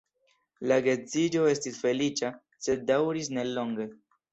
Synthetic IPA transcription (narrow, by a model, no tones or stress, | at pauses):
laɡe̞t͡sid͡ʒo̞e̞stisfe̞lit͡ʃa | se̞dawɾis̬ne̞lo̞ŋɡe̞